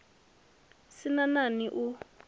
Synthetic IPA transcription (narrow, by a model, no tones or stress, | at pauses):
sinananiʔu